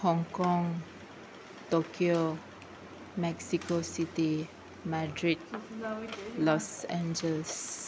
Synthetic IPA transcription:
hɔ̃ŋkɔ̃ŋ | t̪okʰio | mɛksikosit̪i | madɹid̚ | lɔsɛ̃nd͡ʒəls

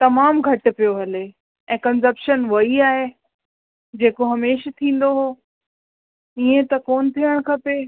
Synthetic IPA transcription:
t̪ɐmaːmɡʱɐʈ̆pijoɦɐle | ʔɛ̃ːkɐns̬ɐpʃənʋɐiaːɦe | d͡ʑeːkoɦɐmeːʃt̪ʰĩːn̆d̪oɦoː | iẽt̪ɐkoːnɪ̆t̪ʰiəɽ̃kʰɐpeː

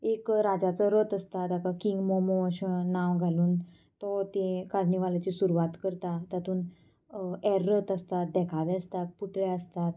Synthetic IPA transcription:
ekɾad͡zat͡sɔɾət̪əst̪at̪akakiŋɡmɔmoɕnaʋɡʱaluːn | t̪ɔt̪ekaɽniʋalat͡ɕiːsuɾuʋat̪kəɾt̪at̪at̪uːn | ɛɾːət̪əst̪at̪̚d̪ɛkʰaʋɛəst̪at̪̚puʈɭɛəst̪at̪

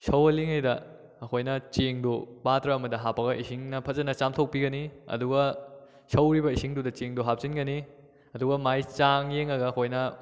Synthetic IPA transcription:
sɐwɐliŋɐjdɐː | kʰojnɐt͡ʃeŋdupatɾɐɐmɐdɐɦapːɐɡɐʔisiŋnɐpʰɐzɐnɐt͡ʃamtʰok̚piɡɐniɐ̰duɡɐ | sɐwɾibɐisiŋdudɐt͡ʃeŋduɦap̚t͡ʃinɡɐni | ɐduɡɐmajt͡ʃaŋjeŋɐɡɐːkʰojnɐ

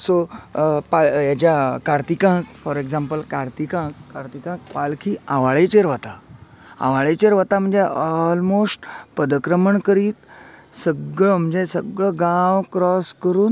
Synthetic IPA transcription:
sopajat͡ɕakaɾt̪ikãkfɔɾeɡzãmpəlkaɾt̪ikãkːaɾt̪ikãk̚palkʰiːaʋaɭet͡ɕeɾʋat̪a | a̰ʋaɭet͡ɕeɾʋat̪am̤əɳd͡zeɔlmosʈpəd̪kɾəməɳkəɾiːt̪səɡɭəm̤əɳd͡zesəɡɭəɡãʋkɾɔskəɾuːn

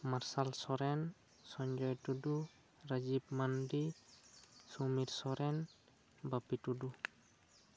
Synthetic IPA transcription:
maɾsalsɔɾɛn | sɔɲd͡ʒɔjtudu | ɾad͡ʒib̚mandi | sumiɾsɔɾɛn | bapitudu

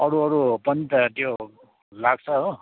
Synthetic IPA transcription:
ʌɽuʌɾupʌnit̪ʌt̪jo | laɡ̚t͡sʰʌɦo

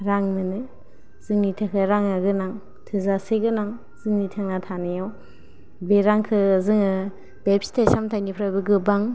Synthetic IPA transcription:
ɾaŋnɯnɯ | z̥ɯŋnitʰakʰɯɾaŋaɡɯnaŋ | tʰɯzaseɡɯnaŋ | zɯŋnitʰaŋnatʰanɯjaw | beɾaŋkʰɯzɯŋɯ | b̥ebsi̥tʰesamtʰajnipʰɾabɯɡɯbaŋ

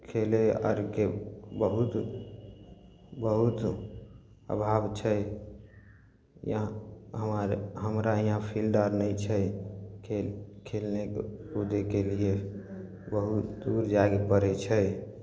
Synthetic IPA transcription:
kʰeleə̰ɾkebəɦut̪ | bəɦut̪ | ə̰bʱabt͡ʃʰə | jãɦəmaɾɦəmɾaijãpʰilɖəɾnəɪt͡ʃʰəkekʰelnekud̪ekelie | bəɦut̪d̪uɾd͡ʒaɡepəɾɛt͡ʃʰə

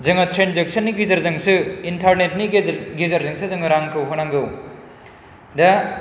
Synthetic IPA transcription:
zɐŋɐtʰɾenzek̚sɐnːiɡizɐɾzɐŋsɯintʰaɾnet̚niɡizɐɾzɐŋsɯzɐŋɐɾaŋkʰɯwɦonaŋɡɯw | dɐ

